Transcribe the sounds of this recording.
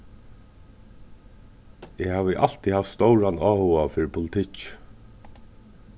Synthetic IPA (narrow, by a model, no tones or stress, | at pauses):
ɛhaːʋɪʔal̥t̪ihaft̪st̪ɔwɾanaːhuafɪːɾɪpʰʊlɪt̪ʰɪc